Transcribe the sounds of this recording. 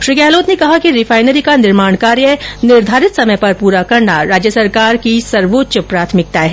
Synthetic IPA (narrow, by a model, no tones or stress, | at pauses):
ʃɾɪkɛːloːt̪nekɐɦakiɾɪfʰaːɪnəɾikanɪɾmaːɳ̃kaːɾjənɪɾd̪ʱaːɾɪt̪sɐməjpɐɾpuːɾakɐɾnaɾaːd͡ʒjəsɐɾkaːɾkisɐɾʋoːt̪ːʃəpɾaːt̪ʰmɪk̚t̪aɦɛː